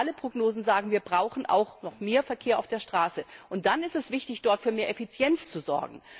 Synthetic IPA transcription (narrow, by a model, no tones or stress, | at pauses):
aləpʁ̥oɡnoːzn̩zaːɡŋ̩viːɐbʁaʊxn̩ʔa̰ʊxnɔχmeːɐfɛɐkʰeːɐʔaʊfd̥eːɐʃtʁ̥aːsəʔʊnt̚d̥anɪstɛsv̥ɪçtɪçd̥ɔɐtfyːɐmeːɐʔɛfit͡sjɛnt͡st͡suzɔ̰ɐɡŋ̩